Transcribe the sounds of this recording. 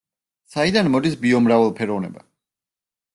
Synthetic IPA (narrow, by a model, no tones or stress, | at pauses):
said̪anmɔd̪isbiɔmɾavɛlˠpʰɛɾɔvnɛ̰ba̰